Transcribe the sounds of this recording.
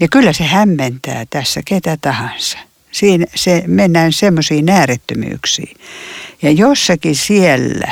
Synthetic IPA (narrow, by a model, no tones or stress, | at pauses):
jɑkylːæsehæmːent̪æ̰ːt̪æsːæket̪æt̪ɑhɑnsɑ̥ | siːnsemenːæːnsemːosiːnæːret̪ːømy̰ːksḭːjɑjosːɑkisielːæ̰